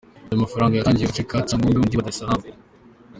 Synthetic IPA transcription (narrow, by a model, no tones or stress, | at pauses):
jamafaɾaːŋɡajaaːɲɟiafɾikat͡saŋɡombiund̪iβad̪asaɾaːm